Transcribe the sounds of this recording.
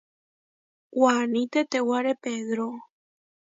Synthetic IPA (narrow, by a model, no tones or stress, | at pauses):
wanĩt̪et̪ewaɾepeðɾo